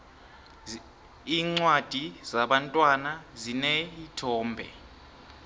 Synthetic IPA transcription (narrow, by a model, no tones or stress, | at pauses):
iːŋ͡ǀwad̥ʱizaɓantʼwanazinɛitʰɔːmbʱɛ̰